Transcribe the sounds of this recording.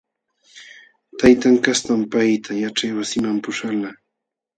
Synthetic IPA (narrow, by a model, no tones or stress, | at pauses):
t̪ajt̪aŋkast̪ampajt̪ʰajaʈ͡ʂajwasɪmampʊʂala